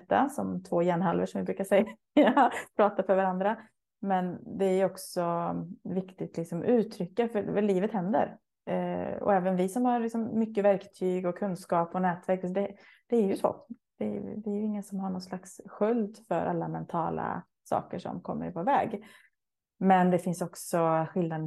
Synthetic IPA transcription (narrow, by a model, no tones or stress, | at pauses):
t̪ːa̰sɔmt̪ʰvoːjɛnɦalvəʂɔmvɪbɾʉːkaʂɛj | japʰɾɑːt̪afœɾvaɾand̪ɾa | mɛnd̪ɛæɾjɔksɔvɪkt̪ɪt̪lɪksɔmʉ̟ːt̪ʰɾʏkːafœliːvət̪hɛnd̪ə̰ɾ | ɔ̰ɛːvənvɪsɔmhaɾlɪksɔmːʏkːəvæɾkt̪ʰyːɡɔkʰɵnskɑːpɔnɛːt̪væɾksd̪ɛ | d̪̥ɛæɾjɵsɔ̰ | d̪̥ɛ̰vɪæɾjɵɪŋːənsɔmhaɳɔt̪slaksɧɵld̪fœ̰ɾʔa̰lːamɛnt̪ʰɑ̰ːla̰ | sɑ̰ːkəʂɔ̰mkʰɔmːə̰ɾpʊɾvɛ̰ːɡ | mɛnd̪ɛfɪnsɔksɔɧɪlnad̪